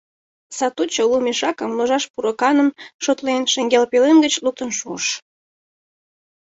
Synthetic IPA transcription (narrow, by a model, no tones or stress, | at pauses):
sɑt̪ut͡ɕolumʲeʃɑkəmloʒɑʃpuɾokɑnənʃot̪lenʃeŋɡʲelpelenɡət͡ɕluk̚t̪ənʃuəʃ